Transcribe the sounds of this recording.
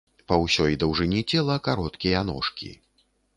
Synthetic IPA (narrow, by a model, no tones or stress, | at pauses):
pɐwsʲɔjd̪ɐwʐɨnʲit͡sʲɛlˠɐkaɾɔt̪kʲijɐanɔ̰ʂkʲḭ